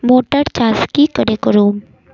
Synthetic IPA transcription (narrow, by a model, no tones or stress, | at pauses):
moːʈəɾt͡ʃaːskikəɾekɾuːm